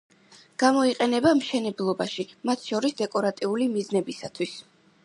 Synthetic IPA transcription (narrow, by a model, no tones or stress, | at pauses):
ɡ̥amɔiqʼɛnɛbamʃɛnɛblˠɔbaʃimat̪ʰʃɔɾisd̪ɛkʼɔɾat̪ʼiulimiznɛbisat̪ʰwis